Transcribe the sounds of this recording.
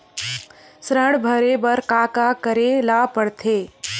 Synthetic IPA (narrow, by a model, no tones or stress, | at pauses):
sɾəɽbʱəɾebɐɾkaːkakəɾelaːpəɽt̪ʰeː